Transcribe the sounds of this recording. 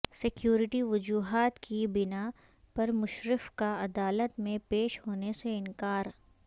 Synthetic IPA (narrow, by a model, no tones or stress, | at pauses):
sɪkjuːɾɪʈiʋʊd͡ʒuːɦaːt̪kibɪna | pɐɾmʊʃɾɪfkaɐd̪aːlət̪mẽpeːʃɦoːneseɪ̃nkaːɾ